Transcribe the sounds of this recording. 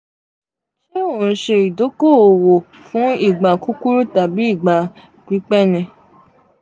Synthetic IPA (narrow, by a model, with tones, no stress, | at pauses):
ʃe˦o˨n̩˨˦ʃe˧i˨do˨˦ko˦˨o˨wo˨ | fũ˨˦i˦˨ɡ͡ba˨ku˦ku˦ɾu˦ta˨bi˨˦i˦˨ɡ͡ba˨ | ɡi˨˦k͡pɛ˦˨nɛ̃˧